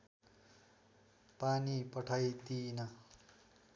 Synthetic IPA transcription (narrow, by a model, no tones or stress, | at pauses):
panipʌʈʰʌjt̪inʌ